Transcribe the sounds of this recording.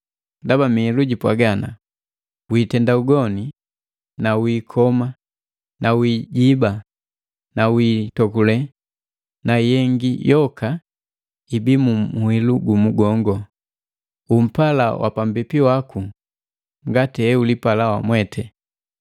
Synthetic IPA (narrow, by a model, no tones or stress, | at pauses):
ndabamiɛluɟipwaɡana̰ | wiːtɛndauɡɔni | nawiːkʰɔma | nawiːɟiba | nawiːtɔkulɛ | najɛŋɡijɔkʰa | ibimumuhiluɡumuɡɔŋɡɔ | um̩pala̰wʔa̰pambipiwaku | ŋɡatiɛulipalawamwɛtʰɛ